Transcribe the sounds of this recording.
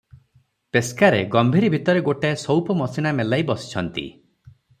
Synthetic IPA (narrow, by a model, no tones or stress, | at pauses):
peskaɾeɡɔmbʱiɾibʱit̪ɔɾeɡoʈesɔwpɔmɔsinamelajbɔsi̥t͡ʃʰɔnt̪ḭ